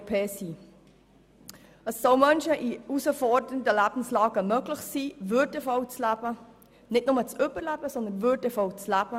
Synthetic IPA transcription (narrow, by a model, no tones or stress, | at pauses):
pʰeːsi | əsːoʊmœnʃəʔiusəfɔɹdənətəlæb̥n̩slɑːɡəmøɡlɪxsiːvøɾdəfɔʊt͡slæb̥ə | nɪt̚nʊmət͡sʏbəɾlæb̥əsɔnd̪ənvødəfɔwt͡slæb̥ə